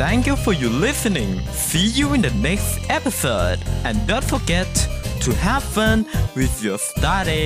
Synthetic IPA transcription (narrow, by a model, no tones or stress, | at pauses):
θæ̃ŋkjufɔ˞jəlɪsɨnɪ̃ŋ | sijuɪ̃nðɨnɛkstɛpəsodʔɨ̃ndõʊ̃ntfə˞ɡɛtʰːuhæpə̃nwɪðjɔstaɾi